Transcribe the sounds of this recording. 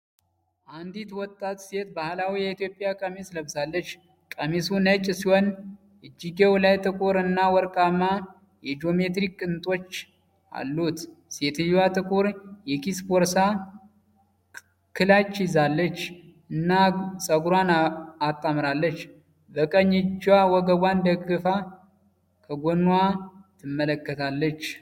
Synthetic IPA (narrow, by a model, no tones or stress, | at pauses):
ʔand̪it̪wɔt̪ʼːat̪se̞t̪̚bahlawijɛit̪jo̞pʼjakʼəmesləβsalːət͡ʃː | kʼəmesunət͡ʃʼːsihon | ɨd͡ʒːiɡewlajt̪ʼɨkʼuɾɨnːawɔɾkʼamːa | jɛd͡ʒo̞met̪̬ɾikːɨnt̪ʼo̞t͡ʃː | a̰lːut̪ | set̪ʰɨjwat̪ʼɨkʼuɾjɛkispoɾsa | kʰɨlat͡ʃːɪzalːət͡ʃː | ɨnːasʼəɡuɾwanat̪ʼːamɾalːət͡ʃː | bəkʼəɲːɪd͡ʒːwawɔɡəbwand̪əɡɨfa | kʰəɡonːwat̪ʰɨmːələkːət̪ʰalːət͡ʃː